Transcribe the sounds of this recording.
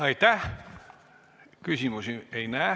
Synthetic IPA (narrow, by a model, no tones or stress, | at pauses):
ɑit̪æ | kysimusieinæ